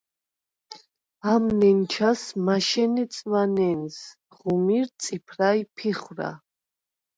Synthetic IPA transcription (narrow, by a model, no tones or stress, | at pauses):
amnɛnt͡ʃʰasmaʃɛnɛt̪sʼvanɛns | ʁumiɾt̪sʼipʰɾajpʰiχwɾa̰